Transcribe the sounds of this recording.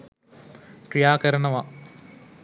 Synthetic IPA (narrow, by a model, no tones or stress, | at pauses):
pɾijaːkəɾɐnɐʋɐ